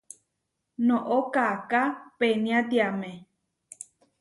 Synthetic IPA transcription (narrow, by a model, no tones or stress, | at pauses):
nõʔokakapenĩãt̪iamẽ